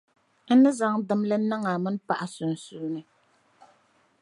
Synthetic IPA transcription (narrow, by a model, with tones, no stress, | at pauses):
n̩˦nɨ˦za˦ŋdɨ˦mlɨ˦na˦ŋa˨mɨ˦n˦pa˨ʔa˨sʊ˨n˨su˦nɨ˦